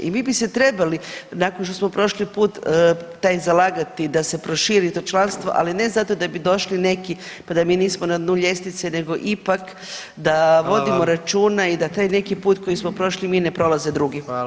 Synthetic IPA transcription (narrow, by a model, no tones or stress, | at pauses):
ḭmiːbiset̪ɾe̞balinakonʃ̬t̪osmo̞pɾo̞ʃlipuːt̪ːajzalaːɡat̪id̪ase̞pɾo̞ʃiːɾit̪o̞ːt͡ʃlˠanst̪ʋo̞̰ʔa̰line̞zat̪o̞d̪abid̪o̞ʃline̞ki | pad̪amiːniːsmonanuːʎje̞st̪it̪sene̞ɡo̞ʔipak | d̪aʋo̞d̪imo̞ɾat͡ʃuːnaid̪at̪aːjne̞kipuːt̪ko̞jismo̞pɾo̞ʃlimiːne̞pɾo̞laze̞d̪ɾuɡi